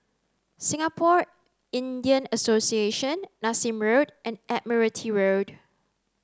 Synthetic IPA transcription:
sɪ̃ŋapʰɔɹ | ĩndiə̃nəsosieʃə̃nːasĩmɹodʔɛ̃nʔɛt̚miɹətʰiɹod

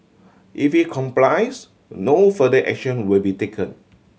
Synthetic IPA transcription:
ʔifit̚kʰɔ̃mplaɪs | nofədəʔɛ̰k̚ʃə̃nwilbitekʰə̃n

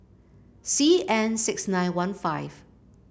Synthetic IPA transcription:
siːɛ̃nsɪksnãɪ̃nwʌ̃nfaɪv̥

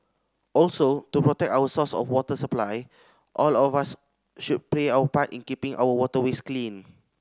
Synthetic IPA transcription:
ʔɔlsotupɹɔtɛk̚tawəsɔsɔ̰fwɔtəsəplaj | ʔɔlɔfas | ʃud̚pleawəpatḭ̃nkipĩŋʔa̰wəwɔtəwesklĩn

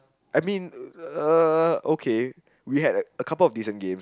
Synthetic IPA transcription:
aɪmĩnəokʰe | wiɦɛdəəkʰapəlɔfdisə̃nɡẽms

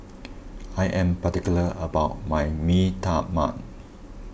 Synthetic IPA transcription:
ajʔɛ̃mpatikjuləəbaʊt̚majmitama̰t̚

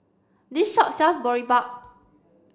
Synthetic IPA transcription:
disʃɔʔ̚sɛsbɔɹibak̚

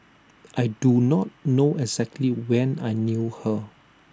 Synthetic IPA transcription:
ʔajdunɔt̚noʔɛɡz̥ɛk̚tʰliwɛ̃najnjuhə

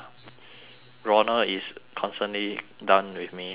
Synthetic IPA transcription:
ɹɔnəiskʰɔ̃nstə̃nlidãʊ̃nwiθmi

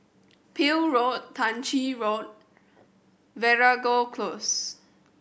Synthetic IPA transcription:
pʰilɹottʰːãnt͡ʃiɹot̚ | vɛɹaɡokʰlos

